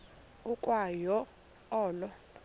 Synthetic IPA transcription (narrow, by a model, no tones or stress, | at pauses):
ukʼwajɔ | ɔːlɔ